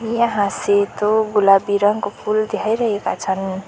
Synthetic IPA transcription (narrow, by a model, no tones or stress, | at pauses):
mijaɦãset̪oɡulabiɾʌŋkopʰuld̪ʱjajɾʌɦeka̰t͡sʰʌn